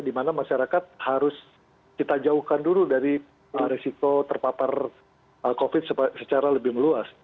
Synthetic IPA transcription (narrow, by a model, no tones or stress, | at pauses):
dimanamaʃaɾakat̪̚haɾʊs | kit̪ad͡ʒauhkanduludaɾi | əɾesikot̪ərpapar | əkofɪt̪̚səsət͡ʃaɾaləbɪhməluas